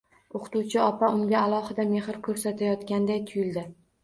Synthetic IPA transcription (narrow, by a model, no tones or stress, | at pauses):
oqʰt̪uwt͡ʃʰɪɒpʰaʔʊŋɡʲaalˠɒhɪd̪ame̞hɪɾkʰɵɾsat̪ʰajɒt̪kʲand̪ajt̪ʰʊjɪld̪ɪ